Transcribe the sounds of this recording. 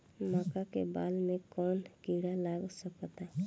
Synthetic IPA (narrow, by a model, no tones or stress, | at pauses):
maːkakḛbaːlmẽkɔːnkiɽalaːɡsəkt̪a